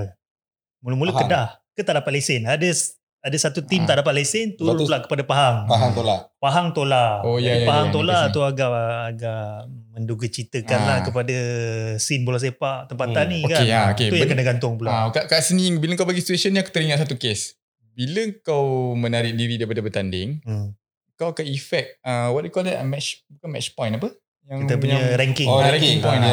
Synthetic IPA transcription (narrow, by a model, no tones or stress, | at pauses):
mulumulukədahkət̪aʔdapat̪̚lesɪnadə | adasat̪ut̪imt̪aʔdapat̪̚lesɪnt̪uɾulaʔkə̥padapaɦaŋaɦaŋt̪olapaɦaŋt̪olaojapaɦaŋt̪olat̪uaɡaʔːɡaʔmənduɡət͡ʃit̪əkanlahkəpadasinbulas̬epaʔt̪əmpaanːikaenaoket̪ujaŋkənaɡant̪ʊŋpulakakaʔsəniŋbiləŋkawbaɡisit̪uesənːiaku̥t̪əɾiŋatsat̪ukes | biləəŋkawmənaɾɪʔ̚diɾidajp̬adabət̪andɪŋə | əkawkaifɛk̚əwaʔ̚dekɔlɛmɛt͡ʃbukanmɛt͡ʃpɔ̃j̃napə | jaŋkit̪əp̬uɲɲəɾɛŋkɪŋɛiŋpɔjn